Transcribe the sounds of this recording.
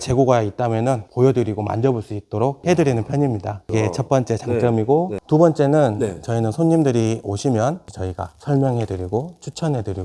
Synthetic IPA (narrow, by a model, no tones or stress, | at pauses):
t͡ɕe̞ɡoɡait̚t͈amjʌnɯnpojʌdɯɾiɡoma̰nd͡ʑʌbuɭs͈uit̚t͈oɾok̚he̞dɯɾinɯnpʰjʌɲimɲidaiɡe̞t͡ɕʰʌt̚p͈ʌnt͡ɕ͈e̞t͡ɕaŋt͡ɕ͈ʌmiɡotubʌnt͡ɕ͈e̞nɯnt͡ɕʌinɯnsʰoɲːimdɯɾioɕʰimjʌnt͡ɕʌiɡa̰sʰʌɭmjʌŋɦe̞dɯɾiɡot͡ɕʰut͡ɕʰʌnɦe̞dɯɾi